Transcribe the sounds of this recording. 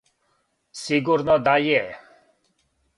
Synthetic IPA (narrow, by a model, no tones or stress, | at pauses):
siɡʊɾnɔd̪ajɛ